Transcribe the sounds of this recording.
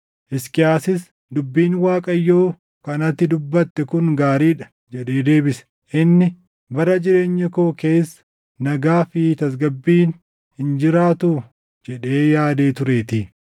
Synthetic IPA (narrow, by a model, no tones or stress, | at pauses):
ʔɪskʼɪjaːsɪs | d̪ʊbːiːnwaːkʼɐjːo̞ː | kɐnɐt̪ːɪd̪ʊbːɐt̪ːɛkʊŋɡaːɾiːᶑɐ̥ | d͡ʒɛᶑe̞ːd̪e̞ːbɪsɛ̥ | ʔɪnːɪ | bɐrːɐd͡ʒɪɾe̞ːɲːɐkoːke̞ːsːɐ̥ | nɐɡaːfɪt̪ɐs̬ɡɐbːiːn | hɪnd͡ʒɪɾaːt̪ʊ | d͡ʒɛᶑe̞ːjaːd̪e̞ːt̪ʊɾe̞ːt̪ɪ